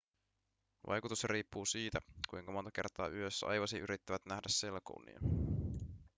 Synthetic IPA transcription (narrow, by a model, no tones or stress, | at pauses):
ʋʔɑ̰jkut̪usjɑɾiːpːuːsiːt̪ækujŋkɑmo̞nt̪ɑke̞rt̪ɑːʔyøsːɑ̰jʋɑsiʔyɾit̪ːæʋæt̪næhdæsːe̞lkoṵnːḭɑ̰